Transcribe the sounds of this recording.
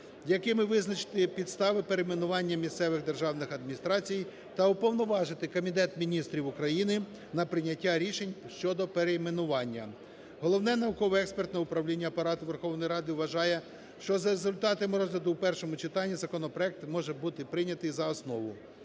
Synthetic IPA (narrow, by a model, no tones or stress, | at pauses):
jɐkɪmɪʋɪznɐt͡ʃɪ̥t̪ɪpʲid̪st̪ɑʋɪpeɾejmenʊʋɑnʲːɐmʲist̪sɛʋɪɣd̪erʒɑwnɪxɐd̪minʲist̪ɾɑt͡sʲij | t̪ɐʊpɔwnɔʋɑʒɪt̪ɪkɔmʲit̪ɛt̪mʲinʲist̪ɾʲiʋʊkɾɐjinɪ | nɐpɾɪnʲɐtʲːaɾʲiʃenʲʃt͡ʃɔd̪ɔpeɾejmenʊʋɑnʲːɐ | ɦɔlˠɔwnɛnɐukɔʋɛkspert̪nɛʊpɾɐwlʲinʲːɐːpɐɾɑt̪ʊʋerxɔwnɔjiɾɑd̪ɪʋʋɐʒɑjɛ | ʃt͡ʃɔzɐɾezʊlʲt̪ɑt̪ɐmɪɾɔzlʲɐd̪ʊwpɛrʃɔmʊt͡ʃɪt̪ɑnʲːizɐkɔnɔpɾɔɛk̚t̪mɔʒɛbut̪ɪpɾɪnʲɐt̪ɪjzɐɔsnɔʋʊ